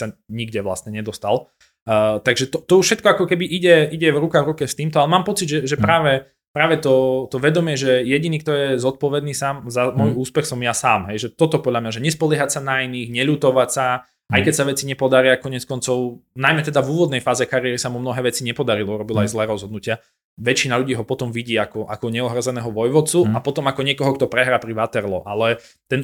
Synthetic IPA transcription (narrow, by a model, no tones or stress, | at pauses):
saɲiɡɟɛʋla̰st̪ɲɛɲɛd̪ɔst̪al | t̪aɡʒɛt̪ɔt̪ɔuʃɛt̪̚kɔakɔkɛbiʔiɟɛiɟɛvɾukaɣvɾukɛft̪iːmt̪ɔalɛmaːmpɔt͡siɟʒɛʒɛpɾaːʋɛ | pɾaːʋɛt̪ɔt̪ɔʋɛd̪ɔmɪɛʒɛjɛɟiniːk̚t̪ɔjɛzɔt̪̚pɔʋɛd̪niːsaːmzamɔjuːspɛxsɔmjasaːmɦɛjʒɛt̪ɔt̪ɔpɔd̪ʎʲamɲaʒɛɲɛspɔlɪɛɦacsanainiːxɲɛʎuːt̪ɔʋacsa | ʔajkɛcsaʋɛt͡siɲɛpɔd̪aɾiakɔɲɛt͡skɔnt͡sɔʊnajmɛt̪ɛd̪avuːʋɔd̪nɛjfaːzɛkaɾiɪɛɾisamumnɔɦɛːʋɛt͡siɲɛpɔd̪aɾilɔuɾɔbilaajzlɛːɾɔzɦɔd̪nucɪa | ʋɛt͡ʃinaʎuɟiːɦɔpɔt̪ɔmʋiɟiːakɔʔa̰kɔɲɛɔɦɾɔzɛnɛːɦɔʋɔjʋɔt͡suapɔt̪ɔmakɔɲɪɛkɔɦɔkt̪ɔpɾɛɦɾaːpɾiʋat̪ɛɾlɔ̰ʔalɛ | t̪ɛn